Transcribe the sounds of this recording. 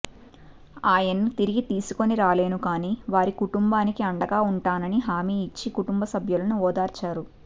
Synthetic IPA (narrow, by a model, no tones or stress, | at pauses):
aːjɐnːut̪iɾiɡit̪iːsu̥ko̞niɾaːle̞ːnukaːniːʋaːɾikuʈumbaːnikiɐɳɖɐɡaːuɳʈaːnɐniɦaːmiːit͡ʃːikuʈumbɐsɐbʱjulɐnuɔːd̪aːɾt͡ʃaːɾu